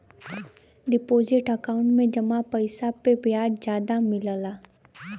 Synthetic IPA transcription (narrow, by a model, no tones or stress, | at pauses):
ɖɪpoːzɪʈəkaʊ̃ɳʈmẽd͡ʒɐmapəɪsapebjaːd͡ʒd͡ʒjaːd̪amɪləlaː